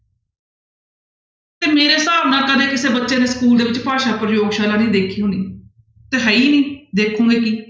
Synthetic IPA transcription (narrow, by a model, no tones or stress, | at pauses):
t̪eːmeːɾeːsaːʋnãːkəd̪ẽːkɪseːbətːʃẽːd̪eːskuːld̪eːʋɪt͡ʃpaːʃaːpɾəjoːɡʃaːlãːnĩːd̪eːkʰiːɦõːniː | t̪eːɦɛːiːnĩːd̪eːkʰũːŋɡeːkiː